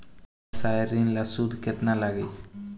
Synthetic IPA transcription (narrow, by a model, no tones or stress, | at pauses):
sajɾinlasud̪ket̪nalaɡej